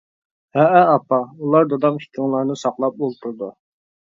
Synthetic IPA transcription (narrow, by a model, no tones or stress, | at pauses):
hɛʔɛɑpɑulˠɑɾd̪od̪ɑmhi̥kʲʰiŋlˠɑɾnɨsɑqlˠɑp̚olˠt̪ʰuɾd̪u